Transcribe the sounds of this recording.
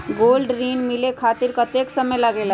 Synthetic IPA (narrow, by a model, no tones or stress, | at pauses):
ɡoːlɖɾiːnmilekʰaːt̪iɾkət̪eksəməjləɡel